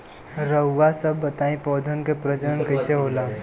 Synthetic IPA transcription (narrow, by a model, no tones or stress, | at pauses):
ɾəwʋasəbət̪ãĩpɔd̪ʱənkepɾəd͡ʒəɳkəjseɦola